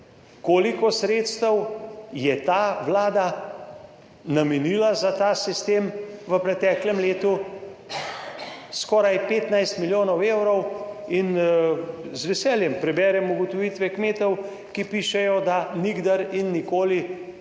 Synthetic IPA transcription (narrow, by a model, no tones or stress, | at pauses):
koːlikɔsɾeːt̪st̪əwjɛt̪aːʋlaːd̪a | namɛniːlazat̪asist̪eːmʋəpɾɛt̪ɛːklɛmleːt̪u | skɔːɾajpeːt̪najst̪miljoːnɔweːwɾɔwin | zʋɛsɛːljɛmpɾɛbɛːɾɛmuɡɔt̪ɔʋiːt̪ʋɛkmeːt̪ɔw | kipiːʃɛjɔd̪aniɡd̪aɾinːikoːli